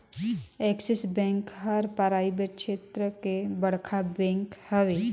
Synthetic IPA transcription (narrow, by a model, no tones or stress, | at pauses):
eksɪsbɛ̃ːŋkɦəɾpəɾaːibeʈ̚ʃʰeːt̪ɾəkebəɽ̤kʰabɛ̃ːŋkhəʋe